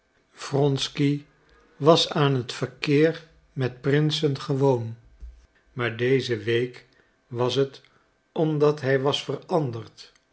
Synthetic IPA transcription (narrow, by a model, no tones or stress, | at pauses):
v̥rɔnski | ʋɑsaːnɦətfərkɪːɹ | mɛt̚prɪnsənχəʋown | maːɹdejzəʋejk | ʋɑsət | ɔmdɑtɦɛjʋɑsfərɑndəɹt